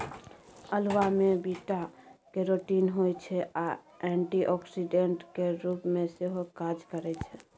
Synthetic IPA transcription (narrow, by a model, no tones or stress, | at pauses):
əlʋamebiʈakeɾoʈinɦojt͡ʃʰɛa | ɛ̃ɳʈiʔɔksiɖeɳʈkeɾupmeseɦokad͡ʒkəɾɛt͡ʃʰɛ